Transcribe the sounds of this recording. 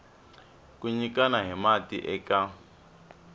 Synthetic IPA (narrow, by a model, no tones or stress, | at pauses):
kuɲikanaɦimatḭʔɛka